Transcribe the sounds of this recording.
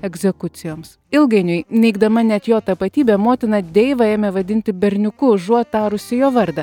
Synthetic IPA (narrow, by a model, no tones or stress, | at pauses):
ɛɡʲzʲɛkʊt̪sʲɪjoːms | ɪlˠɡɐɪnʲʊɪnʲɛɪɡd̪ɐmɐnʲɛt̪joːt̪ɐpɐt̪ʲiːbʲeːmoːt̪ʲɪnɐd̪ʲɛɪʋɐeːmʲɛʋɐd̪ʲɪnʲt̪ʲɪbʲɛɾʲnʲʊkʊʒuɔt̪ɑːɾʊsʲɪjoːʋɐɾd̪ɐ